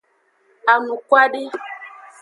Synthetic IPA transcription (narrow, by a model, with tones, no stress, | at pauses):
a˨nũ˨kwa˦ɖi˦